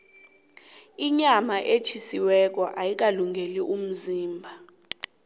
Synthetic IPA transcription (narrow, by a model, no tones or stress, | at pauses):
iɲamaʔet͡ʃʰisiwɛk̬ɔʔajik̬aluŋʱeliʔum̩ziːmbʱa